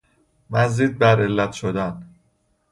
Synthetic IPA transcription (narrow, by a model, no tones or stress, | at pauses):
mæzd͡ʒid̪̚bæɾelːæt̪ʃod̪æn